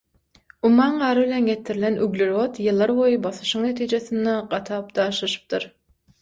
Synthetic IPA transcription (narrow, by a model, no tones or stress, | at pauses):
umɑːɴɢɑːɾɯβilʲenɡet̪ʰiɾilʲenʔyɡlʲiɾo̞t̪jɯlˠːɑɾbo̞jɯbɑθɯ̥ʃɯŋne̞t̪ʰiːd͡ʒeθind̪eɢɑt̪ʰɑːp̚d̪̥ɑːʃlˠɑʃɯ̥p̚t̪ɯɾ